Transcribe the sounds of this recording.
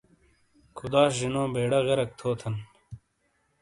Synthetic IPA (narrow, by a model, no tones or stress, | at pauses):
kʰud̪aːɕʑinõːbeːɽɐɣɐɾɐk̚t̪ʰoːt̪ʰɐn